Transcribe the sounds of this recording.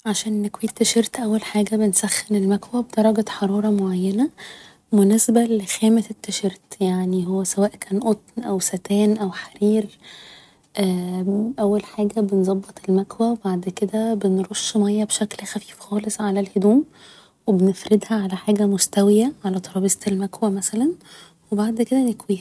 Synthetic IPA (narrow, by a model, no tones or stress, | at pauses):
ʕaʃæːnnekwiːt̪ːeʃeɾt̪ʔæwːælħaːɡæbensæxːenelmækwæbed̪ɑɾˤɑɡæħɑɾˤɑːɾˤɑmoʕajːænæ | menesbælexæːmætet̪ːeʃeɾt̪jaʕniɦowːæsæwæːʔkʰæːnʔot̪̚nʔæwsæt̪æːnʔæwħaɾiːɾ | ʔæːʔæwːælħaːɡæbenzˤɑbːet̪ˤelmækwæwebaʕd̪ked̪æbenɾoʃːmæjːɑbeʃæklxæfi̥ːfxɑːlesˤʕalælhed̪uːm | webenefɾed̪hæʕalæħaːɡæmost̪æwejæʕalæt̪ˤɑɾˤɑːbest̪elmækwæmæsælæn | webaʕd̪ked̪ænekwiːhæ